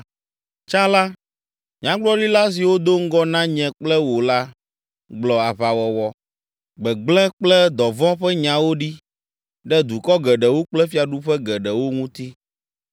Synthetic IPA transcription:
t͡ʃa˦la˦ | ɲã˦ɡ͡blɔ˦ɖi˦la˦s̬i˨wo˦d̪o˦ŋ̩˦ɡɔ˦nã˦ɲɛ̃˨k͡plɛ˦wo˨la˦ | ɡ͡blɔ˨a˨βa˨wɔ˨wɔ˦ | ɡ͡bɛ˨ɡ͡blɛ̃˦k͡plɛ˦d̪ɔ˨vɔ̃˦ɸɛ˦ɲã˨wo˦ɖi˦ | ɖɛ˦d̪u˨kɔ˦ɡɛ˨ɖɛ˨wo˦k͡plɛ˦fi˦a˨ɖu˦ɸɛ˦ɡɛ˨ɖɛ˨wo˦ŋũ˦t̪i˦

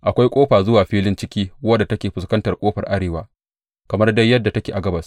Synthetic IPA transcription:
ʔa˨kʷa˦jkʷʼoː˦ɸaː˨zʊ˦waː˨ɸiː˦lɪ˦nt͡ʃɪ˦kʲiː˦wɐ˦dːa˨tɐ˦kʲeː˨ɸʊ˨skɐ˦ntɐ˨rkʷʼoː˦ɸɐ˨rʔa˦ɽeː˨waː˦ | kɐ˨mɐ˦rda˦jːɐ˦dːa˨tɐ˦kʲeː˨ʔa˨ɡɐ˦bɐ˨s

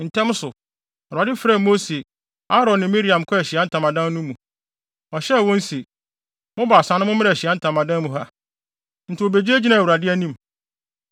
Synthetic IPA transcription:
n̩˨tʰɛ̃˦m˦sʊ˨ | a˨ɾa˨dɪ˦fɾa˦˨mo˦se˨ | a˦ɾɔ̃˨n˨ɪ̃˨mi˦ɾi˨ã˨mkʰɔ˦ɛ˨ɕɪ˨a˦n̩˦tʰã˨mã˨dã˦n˦nũ˦mũ˨ | ɔ˨ɕɛ˦˨wɔ̃˦n̩˦se˨ | mʊ̃˦baː˨sã˨˦nʊ̃˦mʊ̃˦mɪ̃˦ɛ˨ɕɪ˨a˦n̩˦tʰã˨mã˨dã˦nmũ˨ɦa˦ | n̩˨tʰɪ˨o˨be˨d͡ʑi˦e˦d͡ʑi˦nã˨wu˨ɾa˨dɪ˦æ˦nĩ˦m

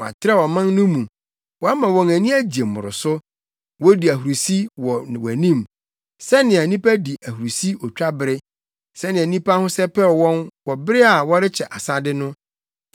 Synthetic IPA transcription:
ɔ˨a̰˨tʰɪ˦ɾɛ˦wɔ˨mã˦nnʊ̃˦mũ˨ | wɔ˨a˦mã˨wɔ̃˨ŋæ˨nĩ˦æ˦d͡ʑi˨e˨mʊ̰̃˨ɾʊ̰˨sʊ˦ | wɔ˦di˨æ˨hu˨ɾu˨si˦wɔ˨wæ˨nĩ˦˨m | sɛ˦nɪ̃˨a˨nĩ˦pʰæ˦di˨ʔæ˨hu˨ɾu˨si˦ɔ˨t͡ɕᶣa˦bɪ˨ɾɪ˦ | sɛ˦nɪ̃˨æ˨nĩ˦pʰa˦hʊ̃˦sɛ˦pʰɛ˦˨wɔ̃˦nwɔ˨bɪ˦ɾɪ˦a˨wɔ˦ɾɪ˦t͡ɕʰɛ˨ʔa˨sa˦dɪ˦nʊ̃˦

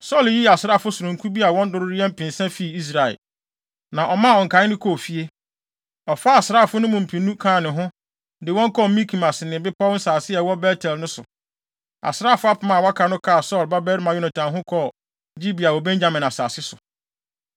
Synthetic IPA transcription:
sɔ˦˨lji˦a˨sɪ˦ɾa˦˨fʊ˦sʊ˨ɾʊ̃˨ŋ˨kʰu˦bi˦a˨wɔ̃˦n˦dʊ˦ɾʊ˦ɾɪ˦ɛ̃˦m̩˦pɪ̃˨n˨sɛ̃˦fi˦˨i˦s̬ɾa˨ɛ̰˨l | nã˨ʔɔ˨mã˦˨ɔ˨ŋ̩˨kã˨˦ɪ˦nɪ̃˦kʰɔ˦˨fi˦e˦ | ɔ˨fa˦a˨sɪ˨ɾa˦˨fʊ˦nʊ̃˦mʊ̃˨m̩˨pʰĩ˨nːũ˦kʰãː˦˨nɪ̃˨ɦʊ̃˦ | dɪ˨wɔ̃˦ŋ˦kʰɔ˦˨mĩ˦kʰi˨ma˨snɪ̃˨bɪ˦pʰa˦n̩˦saː˨sɪ˦ɛ˨wɔ˦bɛ˦tʰɛ˨lnʊ̃˦sʊ̰˨ | a̰˨sɾa˦˨fʊ˦a˦pʰʊ˦mã˦˨wa˦kʰa˨nʊ̃˦kʰa˦˨sɔ˦˨lba˦bɛ˦ɾmã˨ju˦nã˨tʰã˨ɦʊ̃˦kʰɔ˦˨ | d͡ʑi˦bi˨a˨wɔ˨bɛ̃˦ɲd͡ʑa˦mɪ̃˨n˨a˨sa̰ː˨sɪ˦sʊ˨

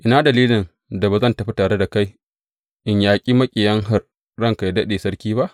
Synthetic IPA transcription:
ʔɪ˦naː˦dɐ˨liː˦lɪ˨n | da˨baː˨zɐ˦˨ntɐ˨ɸi˦taː˨ɽe˦da˨ka˦j | ʔɪ˨ɲjaː˨kʲʼiː˦mɐ˦kʲʼɪ˨jɐ˦ŋɦa˦r | ɽɐ˦˨ŋka˨jdɐ˦ɗeː˨sɐ˦ɽkʲiː˦ba˦ʔ

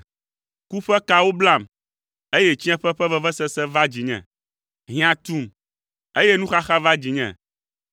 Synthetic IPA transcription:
ku˦ɸɛ˦ka˦wo˦bla˦˨m | e˦je˦t͡ɕi˦ɛ̃˦ɸɛ˦ɸɛ˦vɛ˦vɛ˦sɛ˦sɛ˦va˦d͡ʑi˨ɲɛ̰̃˨ | ɦĩ˦ã˨t̪u˦˨m | e˦je˦nũ˦xa˦xa˦va˦d͡ʑi˨ɲɛ̰̃˨

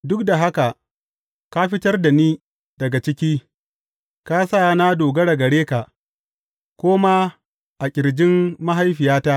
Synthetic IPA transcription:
dʊ˦k̚da˨ɦa˦ka˨ʔ | ka˦ɸɪ˦tɐ˦rda˨niː˦ | d̥ɐ˨ɡa˨t͡ʃɪ˦kʲiː˦ | ka˦saː˦˨˦na˦doː˨ɡɐ˦ɽɐ˨ɡɐ˨ɽeː˦ka˨ʔ | kʷoː˦maː˦ | ʔa˨kʲʼɪ˨ɾd͡ʒɪ˦mːa˦ɦa˦jɸɪ˨jaː˦ta˦

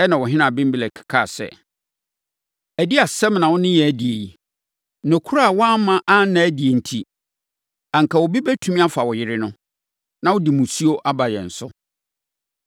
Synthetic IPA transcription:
ɛ˦nã˨wɔ˨ɦɪ̃˦nã˨bɪ̃˦m˦bi˨lɛ˨kʰɪ̥˨kʰa˦˨sɛ̰˦˨ | æ˨di˦a˨sɛ̃˦mnã˨wʊ̃˦nɪ̃˦jɛ˨æ˦di˨e˨ji˨ | nʊ̃˨kʰu˦ɾa˦˨wɔ˦a˦mã˦ʔa˦nã˨æ˦di˨e˨n̩˨tʰi˦ | ã˨ŋ̩˨ka˨wɔ˨bi˦bɛ˦tʰũ˦mĩ˦a˦fa˨wɔ˨jɪ˦ɾɪ˦nʊ̃˦ | nã˦wʊ˦di˨mũ˨si˦o˦ʔa˦ba˨jɛ̰˨n̩˨sʊ˦

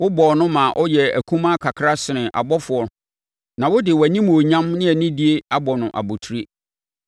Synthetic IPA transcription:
wʊ˦bɔ˨nʊ̃˦mã˨ʔɔ˦jɛ˨æ̰˨kʰũ˦mã˦kʰa˨kʰɾa˦sɪ˨nɪ̃˨ʔa̰˨bɔ˦fʊ˨ɔ˦ | nã˨wʊ˦dɪ˨wæ˨nĩ˦m˨o˨ɲã˦mnɪ̃˦ɛ˨nĩ˦di˦e˦a˦bɔ˨nʊ̃˨ʔa̰˨bo˨tʰu˦ɾi˦

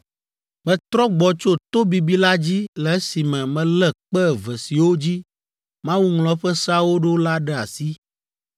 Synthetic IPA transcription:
mɛ̃˨t̪ɾɔ˦ɡ͡bɔ˨t͡ʃo˦t̪o˦bi˨bi˦la˦d͡ʑi˦lɛ˨ɛ˦si˨mɛ̃˨mɛ̃˨lɛ˨k͡pɛ˦˨vɛ˨si˨wo˦d͡ʑi˦ | mã˦wu˦ŋlɔ̃˦ɸɛ˦sa˦wo˦ɖo˦la˦ɖɛ˦a̰˨si˦

